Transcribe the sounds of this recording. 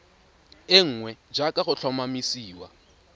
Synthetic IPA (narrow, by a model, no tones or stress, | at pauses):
ɪŋ̩ːŋwɛd͡ʒakʼaχʊt͡ɬʰɔmamisiːwa̰